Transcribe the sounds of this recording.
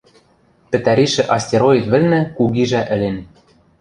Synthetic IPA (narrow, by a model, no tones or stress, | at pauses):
pɘ̆t̪æɾʲiʃɘ̆ʔɑsʲtʲeɾojit̪βɘ̆lʲnæ̆kuɣiʒæʔɘ̆len